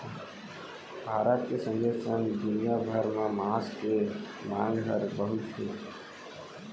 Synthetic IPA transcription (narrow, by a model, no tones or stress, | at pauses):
bʱaːɾət̪̚kesə̃nd̪eːsə̃ŋɡd̪ʊnijabʱəɾmãmaːske | mãːŋɡɦəɾbəɦʊt̪ɦʰeː